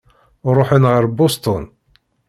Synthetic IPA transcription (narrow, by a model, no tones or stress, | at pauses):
ɾˤoħənʁəɾbost̪ˤʊn